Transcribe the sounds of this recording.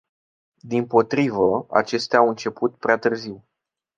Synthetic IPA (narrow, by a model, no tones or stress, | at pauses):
d̪impo̞t̪ɾivəa̰t͡ʃe̞st̪eaawɨnt͡ʃe̞put̪̚pɾeat̪ɨrziw